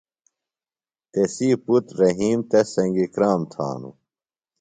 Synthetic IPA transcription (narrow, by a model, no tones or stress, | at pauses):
t̪esiːput̪ɾɐɦiːmt̪esɐŋɡikɾaːmt̪ʰa̰ːnṵ